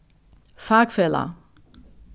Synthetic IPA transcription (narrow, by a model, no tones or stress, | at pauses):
fakfɛlɐ̰